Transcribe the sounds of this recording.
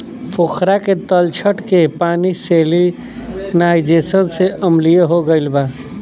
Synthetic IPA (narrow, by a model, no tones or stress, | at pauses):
pʰokʰɾaket̪əlt͡ʃʰəʈkepaːniseli | naɪd͡ʒesənseʔəmlijeɦoɡəɪlba